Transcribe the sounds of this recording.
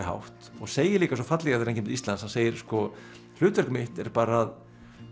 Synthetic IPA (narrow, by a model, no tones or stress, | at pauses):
ɦa̰wht̪ɔɣseːjɪliːkas̬ɔfat̪lɛɣaɾeɾeɲcɪmnt̪ist̪lanshanseːjɪɾ̥skɔ | lʏːt̪vɛr̥kmɪht̪ɛɾpaːɾaað